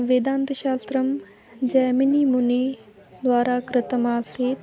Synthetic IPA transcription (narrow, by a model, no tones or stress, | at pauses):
ʋeːd̪ãːnt̪ʃaːst̪ɾəm | d͡ʒɛːminiːmʊne | d̪ʋaːɾakɾɪt̪əmaːseː